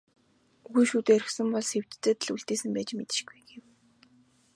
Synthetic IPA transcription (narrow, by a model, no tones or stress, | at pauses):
uɣujʃuːt̪eːɾɵ̆xsɘ̆mpɔɮsew̥t͡ɕt͡seːt̪ɮuɮt̪eːsɘ̆mpæːt͡ɕmet̪ɪ̆ʃɡujɡew